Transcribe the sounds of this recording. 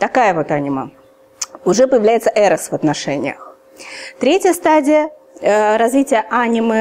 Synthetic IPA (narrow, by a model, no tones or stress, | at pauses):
t̪ɐkajəvo̞t̪anʲɪmə̰ | ʊʐɛpəjɪvlʲæjɪt̪səʔɛɾəsvɐt̪nɐʂɛnʲɪ̰jə̰x | t̪ɾʲetʲjəst̪adʲɪjə | ɾɐzvʲitʲɪjəʔanʲɪmɨ